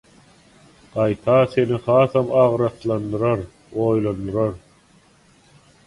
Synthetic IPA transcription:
ɢ̥ɑjt̪ʰɑθe̞nihɑːθɑmɑʁɾɑθlˠɑnd̪ɯɾɑɾ | oːjlˠɑnd̪ɯɾɑɾ

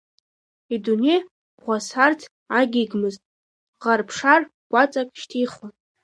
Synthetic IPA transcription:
idunej | ʁʷasartʰ | aɡʲiɡmɨztʼ | ʁarpʰʂar | ɡʷat͡sʼakʼʃtʰijχun

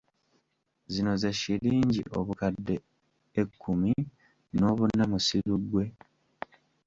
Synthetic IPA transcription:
zino̞ze̞ʃiɾiːɲɟḭʔo̞̰βukadːe̞ː | kʰːumi | no̞ːβunːamusiɾuɡwe̞

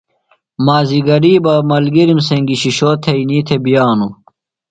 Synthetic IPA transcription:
maːziɡɐɾiːbɐmɐlɡiɾimseŋɡiɕiɕoːt̪ʰeiniːt̪ʰebijaːnu

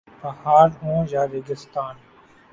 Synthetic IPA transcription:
bəhaːɾõːjaːɾeɡɪst̪aːn

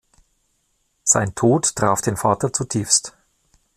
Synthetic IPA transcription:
z̥a̰ɪntʰoːttʁ̥aːfd̥eːnfaːtɐt͡sutʰiːfst

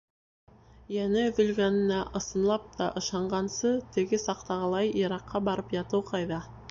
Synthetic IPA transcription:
jænɘvɵ̆lɡʲænɪnæʔɤ̆sə̆nlˠɑp̚t̪ɑʔə̆ʃɑɴʁɑnsɤt̪ʰɘ̆ɡʲɪsɑqt̪ɑʁəlˠɑjiɾɑqːɑbɑɾəpjɑt̪uwqʰɑjðɑ

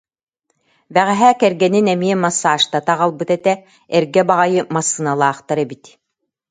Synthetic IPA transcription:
bæʁɛɦæːkɛɾɡɛninɛmiɛmasːaːʃt̪at̪aʁalˠbɯt̪ɛt̪ɛ | ɛɾɡɛbaʁajɯmasːɯnalˠaːχt̪aɾɛbit̪

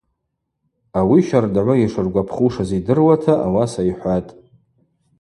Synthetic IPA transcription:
awiʃardʕʷaiʂɨrɡʷapʰχuʂazidɨrwatʰaʔawasaiħʷatʼ

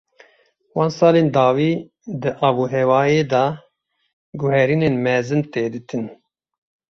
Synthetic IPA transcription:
wɑːnsɑːleːnd̪ɑːwiː | d̪ɨʔɑːbuːɦɛwɑːjeːd̪ɑː | ɡʊhɛɾiːneːnmɛzɨnt̪eːd̪ɨt̪ʰɨn

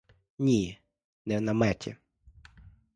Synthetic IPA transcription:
nʲi | nɛwnɐmɛtʰʲɛ̰

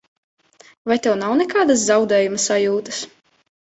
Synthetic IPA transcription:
vajt̪ɛwnawnɛkaːd̪as̬zawd̪ɛːjumɐsajuːt̪ɐ̥s

